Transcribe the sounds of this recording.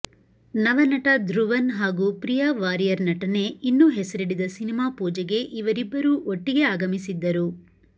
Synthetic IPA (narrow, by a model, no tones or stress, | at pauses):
nɐʋɐnɐʈɐd̪ɾuʋɐnɦaːɡuːpɾijɐʋaːɾijɐɾnɐʈɐne̞inːuɦesɐɾiɽid̪ɐsinimaːpuːd͡ʒɛɡe̞ʔiʋɐɾibːɐɾuʔoʈːiɡe̞aːɡɐmisid̪ːɐɾu